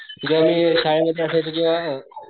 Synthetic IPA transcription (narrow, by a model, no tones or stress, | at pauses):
t̪ut͡ɕɛamiːsajməd̪ʱːjeasajt͡sək̬ĩw̃ʋa